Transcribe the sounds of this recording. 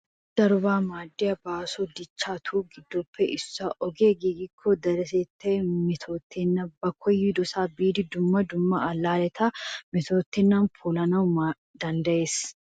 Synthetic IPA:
d̪̥ɐɾʊbaːmaːd̪ːɪjɐbaːsɔd̪ɪt͡ʃːaːt̪ʰuːɡɪd̪ːopʰːɛʔɪsːɐʔɔɡeːɡiːɡɪkʰːɔd̪ɐɾɛseːt̪ːɐmɪt̪ʰoːt̪ʰːɪnːɐbɐkʰːɔjɪd̪ɔsaːbiːd̪ɪd̪ʊmːɐd̪ʊmːɐɐlːaːlɛt̪ʰɐmɪt̪oːt̪ːɪnːanpʰuːlɐnɐwma | d̪ɐnd̪ɐʔeːs

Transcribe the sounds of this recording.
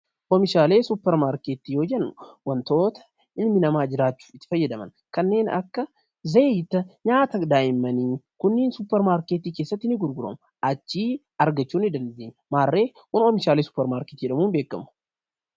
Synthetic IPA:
ʔɔmɪʃaːle̞ːsupːɛɾmaːɾkeːt̪iːjo̞ːd͡ʒɛnːʊ̥wɐnt̪o̞ːt̪ɐ̥ | ɪnmɪnɐmaːd͡ʒɪɾaːt͡ʃːu̥ːɪt̪ːɪ̥fɐjːɐd̪ɐmɐ̰n | kɐnːe̞ːnɐ̰kːɐ | zɐt̪ːɐɲaːt̪ɐd̪aːjɪmːɐniːkʊnːɪːnsuːpːɛɾmaːɾkeːt̪iːke̞ːsːɐt̪ːɪnːɪɡʊɾɡʊɾɐ̰mʊ | ʔɐt͡ʃːiː | ɐɾɡɐt͡ʃːuːnɪd̪ɐnd̪eːɲːʊmaːrːe̞ːhʊnɔmɪʃaːle̞ːsʊ̥pːɛɾmaːɾkeːt̪iːd͡ʒɛᶑɐmuːnbe̞ːkːɐmʊ̥

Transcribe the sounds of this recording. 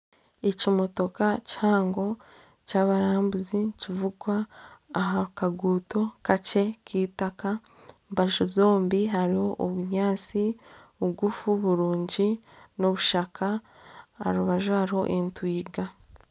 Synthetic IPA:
ecimo̞to̞kaci̥haːŋɡo̞ | caːβaɾaːmbuzicivuɡwaːɦaukaɡuːto̞kace̞kiːtaka | mbaʒozo̞ːmbiɦaɾiho̞ʔoβuɲaːt͡siβuɡufuβuɾuːɲɟi | noβuʃakʰa | aɾuβaʒohaɾiho̞̰ʔentwiːɡa

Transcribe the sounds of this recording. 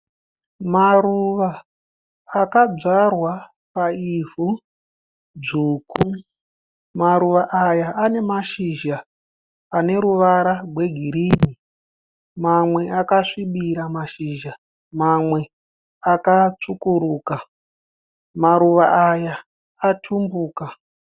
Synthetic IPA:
maruʋaː | kad͡zarwa | paivu | d͡zuːku | maɾuʋaʔajaːne̞maʃiʒa | pane̞ɾuʋaɾarwe̞ɡʱiɾiːni | mamwe̞ʔakaʂiɓiɾamaʃiːʒa | mamwe̞ | akat͡ʂukuɾuːka | maɾuʋaajaː | tʰumbuːka

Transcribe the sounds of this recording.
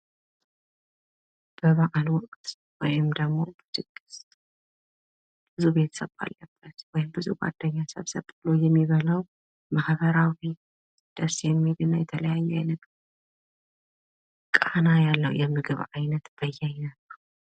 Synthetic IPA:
b̥ɨβaʕalwɔkʼt̪ | wɔjɪmd̪ɐɡmːo̞bɨd̪ɨɡɨs | bɨzube̞t̪ʰɐ̥sɐβa̰lːɐb̥ːɐt̪wɔjmbɨzuɡʷa̰d̪̥ːɐɲːasɐ̰βsɐβʼɨlujɛmːiβɐlɐw | maħbɐɾawi | d̪̥ɐsjɛmːiɡɨnajɛt̪ʰɐlɐjajːɛanɨɡ | kʼanajalːɐw̰jɛmːɨɡɨβʕajnɐt̪b̥ɐjːɛjnɐβɐɾu

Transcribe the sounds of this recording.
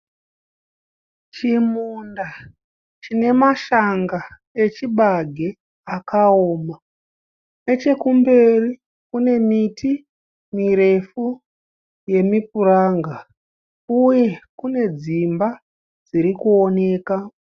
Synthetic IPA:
t͡ʃimunda | t͡ʃine̞maʃaŋɡa | et͡ʃiɓaɡʱe̞ | akao̞ːma | ne̞t͡ʃe̞kumbe̞ri | kune̞miti | miɾe̞fu | je̞mipuɾaːŋɡa | uje̞kune̞d͡zimba | d͡ziɾikuone̞ːka

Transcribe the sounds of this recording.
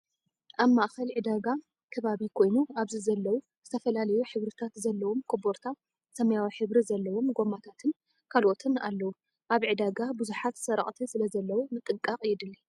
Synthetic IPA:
ʔaβmaʔxɐlʕɨd̪aɡa | kʰɐβaβikʰo̞jnuaβzizɐlːɐwu | z̥ɨt̪ʰɐfɐlalɐjuħɨβɾɨt̪ʰat̪zɐlːɐwo̞mkʰoboɾt̪ʰa | sɐmɐjawiħɨβɾizɐlːɐwo̞mɡo̞mat̪ʰat̪ʰɨn | kʰalʔo̞t̪ʰɨnalːɐwu | ʔaβʕɨd̪aɡabɨzuħat̪sɐɾɐχʼt̪ʰisɨlɐzɐlːɐwumɨt̪ʼːɨkʼːɐqʼjɪd̪ɨlːi

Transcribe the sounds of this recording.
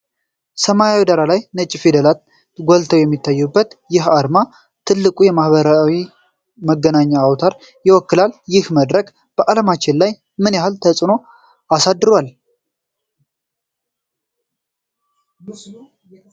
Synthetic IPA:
səmajawid̪aɾalajnət͡ʃʼːɪfid̪əlat̪ | ɡʷɔlt̪ʰəwjɛmːit̪ʰːajːubːət̪jɪɦaɾma | t̪ʰɨlːɨkʼujɛmahβəɾawi | məɡːənaɲːaːwt̪ʰaɾ | jɪwɔkːɨlaljɪhməd̪ɾəɡ | b̥əʔaləmat͡ʃːɪnlaj | mɨnjahalt̪ʰəsʼɨno̞ | asad̪ːɨɾwal

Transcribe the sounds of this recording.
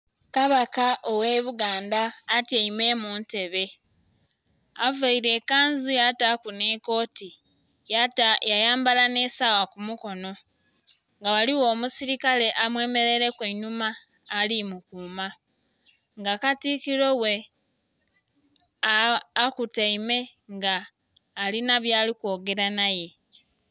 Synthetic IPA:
kaβakaʔowe̞βuɡaːndaːtjaime̞ːmuːnte̞βe̞ | avaiɾe̞kaːnzujatakune̞ko̞ːti | jajajaːmbalane̞sawakumuko̞no̞ | ŋɡawaliwo̞ːmusiɾikale̞ʔamwe̞ːme̞ɾe̞ɾe̞kweɲumaː | limukuːma | ŋɡakatikilo̞we | kutaime̞ŋɡaː | linaβjaːlikwo̞ːɡe̞ɾanaje̞

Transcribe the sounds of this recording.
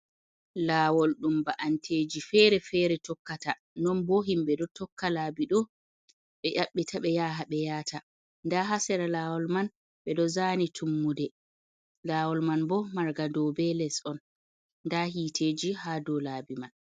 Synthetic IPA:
laːwɔlɗumbaʔantʰeːd͡ʒifɛɾɛfɛɾɛtɔkːata | nɔnbɔɦimɓɛdɔtɔkːalabiɗɔ | ɓɛʔaɓːitʰaɓɛjaːɦaɓɛjaːta | ndaɦasɛɾalaːwɔlman | ɓɛɗɔzanitʰumːudɛ | laːwɔlmanbɔmaɾɡadɔbɛlɛsɔn | ndahiːtʰeːd͡ʒihadɔlaːbiman

